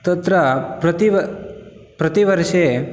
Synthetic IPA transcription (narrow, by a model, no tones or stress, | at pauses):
t̪ət̪ɾəpɾt̪iʋ | pɾɐt̪iʋəɾʃe